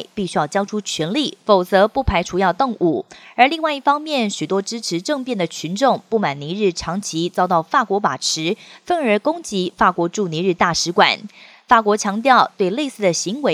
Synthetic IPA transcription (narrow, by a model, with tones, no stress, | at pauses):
pi˥˩ɕy˥jɑ˥˩ʊt͡ɕjɑ˥ʊʈ͡ʂʰu˥t͡ɕʰɥɛ˧˥nli˥˩fo˨˩ʊt͡sɤ˧˥pu˥˩pʰa˧˥ɪʈ͡ʂʰu˧˥jɑ˥˧ʊt̪o˥˧ŋʔu˥˩ə˞˧˥li˥˧ŋwa˥˧ɪi˥˩fɑ˥ŋmjɛ˥˩nɕy˨˩t̪wɔ˥ʈ͡ʂɻ̩˥ʈ͡ʂʰɻ̩˧˥ʈ͡ʂɤ˥˧ŋpjɛ˥˩nd̪ə˩t͡ɕʰy˧˥nʈ͡ʂʊ˥˧ŋpu˥˩ma˨˩ni˧˥ɻɻ̩˥˩ʈ͡ʂʰɑ˧˥ŋt͡ɕʰi˧˥t͡sɑ˥ʊt̪ɑ˥˩ʊfa˥˩kwɔ˧˥pa˨˩ʈ͡ʂʰɻ̩˧˥fə˥˩nə˞˧˥kʊ˥ŋt͡ɕi˧˥fa˥˩kwɔ˧˥ʈ͡ʂu˥˩ni˧˥ɻ̩˥˧t̪a˥˩ʂɻ̩˧˥kwa̰˨˩˦n | fa˥˩kwɔ˧˥t͡ɕʰjɑ˧˥ŋt̪̬jɑ˥˧ʊt̪we˥˧ɪle˥˧ɪsɹ̩˥˩d̪ə˩ɕi˧˥ŋwe˧˥